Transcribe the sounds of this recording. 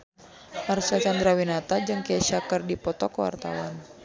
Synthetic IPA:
ʔarsat͡ʃand̪ɾawinat̪ad͡ʒɨŋkɛʃakɨrdipɔt̪ɔkwa̰rt̪a̰wan

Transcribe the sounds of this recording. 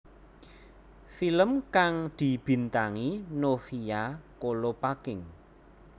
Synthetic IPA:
filəmkaŋd̪̥i̤b̥i̤nt̪aŋinofijakolopakɪŋ

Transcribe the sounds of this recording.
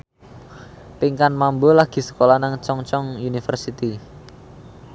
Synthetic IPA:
piŋkanmambolaɡ̥i̤sə̥kolanaŋt͡ʃɔŋt͡ʃɔŋunifərsit̪i

